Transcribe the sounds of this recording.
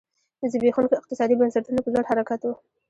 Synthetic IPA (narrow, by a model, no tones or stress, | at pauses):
d̪əzəbexunɪq̚t̪ɪsɑd̪ibənsaʈunopəzaɽhaɾakat̪wu